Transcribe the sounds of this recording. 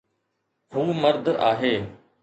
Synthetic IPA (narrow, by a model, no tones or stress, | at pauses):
ɦuːməɾd̪ʱaːɦeː